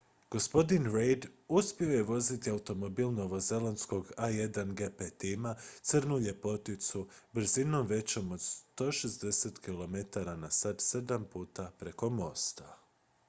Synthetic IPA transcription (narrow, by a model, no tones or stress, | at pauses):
ɡ̥o̞spo̞d̪inɾejd̪uspio̞je̞ʋo̞zit̪iawut̪o̞mo̞biːlˠno̞ʋo̞ze̞lansko̞ɡaje̞d̪anɡe̞pet̪imat̪sɨr̩nuʎe̞po̞t̪it̪subr̩zino̞mʋe̞t͡ɕo̞mo̞d̪st̪o̞ːʃe̞zd̪e̞set̪kilo̞me̞t̪aɾanasad̪se̞d̪ampuːt̪apɾe̞ko̞mo̞st̪a